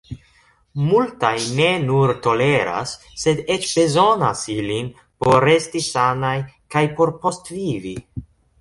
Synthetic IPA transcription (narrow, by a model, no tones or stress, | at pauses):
multajne̞nuɾto̞le̞ɾa̰sː | e̞de̞t͡ʃbe̞zo̞nasilin | po̞ɾe̞stisanajkajpo̞ɾpo̞stvivi